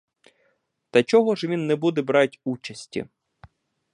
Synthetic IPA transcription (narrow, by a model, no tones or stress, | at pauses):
t̪ɐt͡ʃɔɦɔʒʋʲinːɛbud̪ɛbɾɑtʲut͡ʃɐsʲtʲḭ